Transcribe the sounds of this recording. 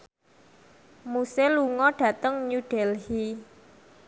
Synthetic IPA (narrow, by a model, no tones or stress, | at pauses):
museluŋɔɖ̥ä̤t̪əŋɲuɖ̥ɛlhi